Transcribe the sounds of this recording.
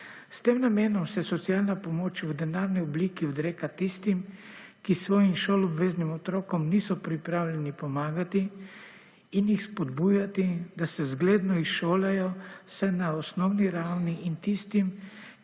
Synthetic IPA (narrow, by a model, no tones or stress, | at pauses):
st̪eːmnameːnɔmsɛsɔt̪sialnapɔmoːt͡ʃʋud̪ɛnaːɾniɔbliːkiɔd̪ɾeːkat̪ist̪im | kisʋɔːjimʃoːlɔbʋeːznimɔt̪ɾoːkɔmniːsɔpɾipɾaːwlʲjɛnipɔmaːɡat̪iː | njixspɔd̪buːjat̪id̪asɛzɡleːd̪nɔisʃoːlajɔsɛnaɔsnɔwniɾawniʔint̪ist̪im